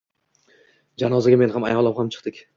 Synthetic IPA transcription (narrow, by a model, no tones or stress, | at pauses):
d͡ʒanɒzaɡʲame̞nhama̰jɒlˠamhamt͡ʃʰɨ̥q̚t̪ɪkʲ